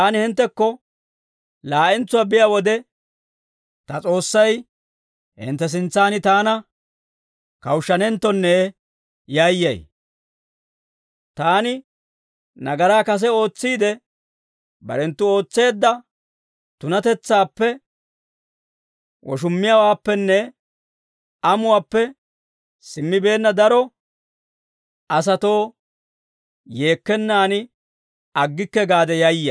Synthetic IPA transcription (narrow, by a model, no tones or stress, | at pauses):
aːnɪhɪnt̪ːɛkːɔ | laːʔɛnt͡sːʊwaːbɪjawɔd̪ɛ | t̪ɐt͡sʼo̞ːsːɐj | hɪ̰nt̪ːɛs̬ɪnt͡sːaːnɪt̪aːnɐ | kɐwʃːɐnɛnt̪ːɔnːeː | jaːjːɐ̰j | t̪aːnɪ | nɐɡɐɾaːkɐs̬ɛo̞ːt͡sːiːd̪ɛ | bɐ̰ɾɛnt̪ːʊo̞ːt͡sːe̞ːd̪ːɐ | t̪ʊnɐt̪ɛt͡sːaːpːɛ | wɔ̰ʃʊmːɪjawaːpːɛnːɛ | ɐmʊwaːpːɛ | sɪmːɪbe̞ːnːɐd̪ɐɾɔ | ɐs̬ɐt̪o̞ː | je̞ːkːɛnːaːnɪ | ɐɡːɪkːɛɡaːd̪ɛjɐjːɐ̰